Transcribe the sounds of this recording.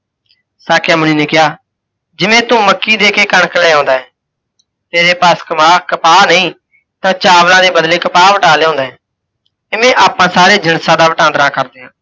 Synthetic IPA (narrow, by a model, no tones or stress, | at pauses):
saːkʰjãːmʊniːneːkɪjaː | d͡ʒɪʋẽːt̪ʊ̃ːməkːiːd̪eːkeːkəɳkəlɛːõːnd̪aːɛː | t̪eːɾeːpaːskəmaːkəpaːnəĩː | t̪ãːt͡ʃaːʋlãːd̪eːbəd̪leːkəpaːʋəʈaːleːõːnd̪aːɦɛː | ɪʋẽːʔaːpãːsaːɾeːd͡ʒəɳsãːd̪aːʋəʈãːnd̪əɾãːkəɾd̪eːãː